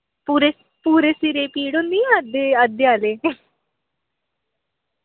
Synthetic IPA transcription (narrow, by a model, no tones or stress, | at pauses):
puːɾe | puːɾeːsiɾeːpiːɽʊ̃nd̪iːad̪eːəd̪jaːleː